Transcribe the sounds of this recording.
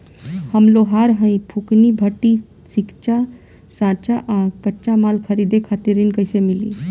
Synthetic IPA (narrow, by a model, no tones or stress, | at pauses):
həmloɦaɾɦə̃ĩpʰuknibʱəʈːi | sikt͡ʃa | sãt͡ʃaʔakəːt͡ʃamalkʰəɾid̪ekʰat̪iɾinkəɪsemili